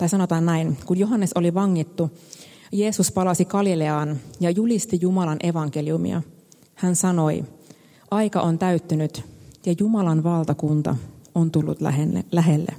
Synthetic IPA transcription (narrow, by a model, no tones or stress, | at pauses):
t̪ɑijsɑno̞t̪ɑːnnæinkunjoɦɑnːeso̞liʋɑŋːit̪ːu | je̞ːsuspɑlɑsikɑlileɑːnjɑjulist̪ijumɑlɑnʔe̞ʋɑŋk̟eliumḭɑ̰ | hænsɑno̞i | ʔɑjkɑʔo̞nt̪æyt̪ːynyt̪jɑjumɑlɑnʋɑlˠt̪ɑkunt̪ɑ̰ont̪ulːṵt̪lelæɦelːḛ